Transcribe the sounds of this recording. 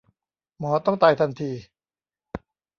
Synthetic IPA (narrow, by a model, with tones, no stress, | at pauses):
mɔː˩˦t̪ɔ˥˩ŋt̪a˧jt̪ʰa˧nt̪ʰiː˧